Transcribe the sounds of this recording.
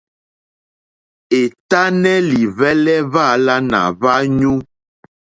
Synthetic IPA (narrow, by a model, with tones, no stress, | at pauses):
e˨t̪a˦nɛ˦li˨vɛ˦lɛ˦va˦˨la˦nã̰˨va˦ɲũ˦